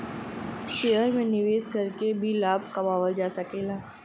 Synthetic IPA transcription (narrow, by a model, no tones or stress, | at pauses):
ʃeːɦəɾmẽnɪʋeːsɡʱɐɾkebʱilaːb̚ʱkɐmaːʋəld͡ʒaːsɐkeːlaː